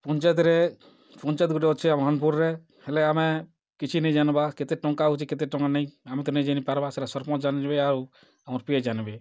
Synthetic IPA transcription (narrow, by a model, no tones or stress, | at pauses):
pɔɲt͡ʃat̪ɾɛ | pɔɲt͡ʃɛt̪̚ɡuʈɛɔt͡ʃʰɛamɔɦanpuɾɾɛ | hɛlɛamɛ | kit͡ʃʰinɛjd͡ʒanbaket̪ɛʈɔŋkaɦut͡ʃʰiket̪eʈɔŋɡanɛj̃amɛt̪̬ɔnɛd͡ʒanipaɾbasɛɾasɔɾpɔd͡ʒand͡ʒbɛaɾu | amɔɾpied͡ʒanbe